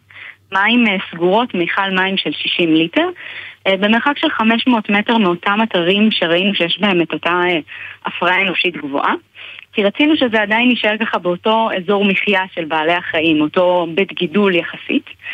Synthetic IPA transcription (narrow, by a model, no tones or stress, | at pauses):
maimsɡuʁo̞tmejχalmaimʃe̞lʃiʃimlite̞ʁbe̞me̞ʁχakʃe̞lχameʃmooːtme̞te̞ʁmeo̞tamataʁimʃeʁainuʃejeʃbahe̞me̞totaʔafʁaaeno̞ʃitɡvo̰ʔakiʁat͡sinuʃezeadajinjiʃaeʁkaχabeo̞to̞ezo̞ʁmiχjaʃe̞lbaːle̞aχaimo̞to̞betɡiduljeχasḭt